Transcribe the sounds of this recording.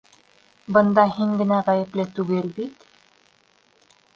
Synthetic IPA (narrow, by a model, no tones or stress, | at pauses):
bɤ̆nd̪ɑhiŋɡɘ̆næʁæjɘ̆plɘt̪ʉɡɘlbit̪